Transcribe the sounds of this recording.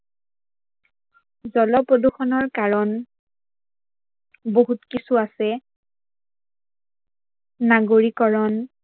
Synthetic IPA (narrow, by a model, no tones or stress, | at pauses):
zɔlɔpɹoduxɔnɔɹkaɹɔn | boɦutkisuasɛ | aɡoɹikɔɹɔn